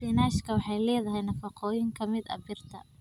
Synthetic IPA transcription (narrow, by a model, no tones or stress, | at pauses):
inaːʃkʰɐwɑħɑjlɛːðɐɦɛjnɐfɑqɔːjɪŋkʰɐmɪd̪ɐ̰bɪrt̪ʰɐ̰